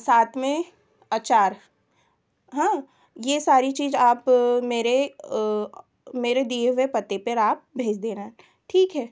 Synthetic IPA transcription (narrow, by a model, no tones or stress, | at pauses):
saːt̪ʰmẽ | aːt͡ʃaːɾ | ɦãː | jeːsaːɾit͡ʃiːzaːpmeːɾe | meːɾed̪iːeʋepɐt̪ːepɐɾaːp̚bʱeːd͡ʒd̪eːna | ʈʰiːkɦɛː